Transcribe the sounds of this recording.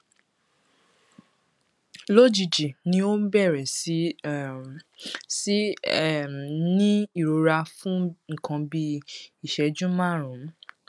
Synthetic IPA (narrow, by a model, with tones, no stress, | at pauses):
lo˦˨d͡ʒi˨d͡ʒi˨nĩ˧o˦m̩˦bɛ˦˨ɾɛ˨si˨˦ | si˦˨ | nĩ˦i˦˨ɾo˨˦ɾa˧fũ˦ŋ̩˨kã˧bi˧i˨ʃɛ˨d͡ʒũ˦mã˦˨ɾũ˨˦